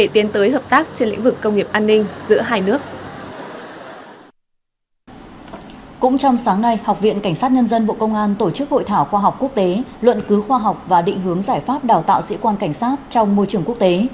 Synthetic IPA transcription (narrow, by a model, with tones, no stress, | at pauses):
ɗe˧˩t̪i˨˦nt̪əː˨˦jɦəː˨˩p̚t̪aː˦˥k̚t͡ɕe˧nlḭ˧˥ŋ̟vɨ˨˩kːə˧wŋ͡mŋi˨˩əp̚ʔaː˧nːï˧ŋ̟zɨ̰˧˥əɦaː˧jnɨ˦˥ək̚ | kʊ̰˧˥ŋ͡mt͡ɕɔ˧wŋ͡msaː˨˦ŋna˧jhwk͡p̚vḭ˧˨nka˧˩jŋ̟saː˦˥t̚ɲə˧nzə˧nɓo̰˧˨kə˧wŋ͡mʔaː˧nt̪o˧˩t͡ɕɨ˦˥k̚ho̰˧˨jt̪ʰaː˧˩wxwaː˧ɦa˨˩wk͡p̚ku˦˥ək̚t̪e˨˦lwə̰˧˨nkɨ˨˦xwaː˧ɦɔ˨˩wk͡p̚vaː˨˩ɗḭ̈˧˨ŋ̟ɦɨ˨˦əŋzaː˧˩jfaː˦˥p̚ɗaː˨˩wt̪a̰ː˧˨wsḭ˧˥kwaː˧nka˧˩jŋ̟saː˦˥t̚t͡ɕɔ˧wŋ͡mmo˧jt͡ɕɨ˨˩əŋku˦˥ək̚t̪e˨˦